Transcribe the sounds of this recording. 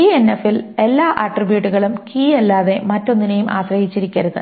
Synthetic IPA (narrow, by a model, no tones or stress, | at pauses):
ienːefile̞lːaːʔɐʈribjuːʈːuɣɐɭumkiːelːaːðe̞mɐtːo̞nːinejumʔa̰ːɕɾɐjit͡ɕːiɾikʲːɐɾuðṵ